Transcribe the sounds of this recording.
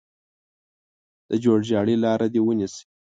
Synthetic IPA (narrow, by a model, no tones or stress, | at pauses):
d̪̥əd͡ʒoɽʒɑɽilɑɾad̪ewənisi̥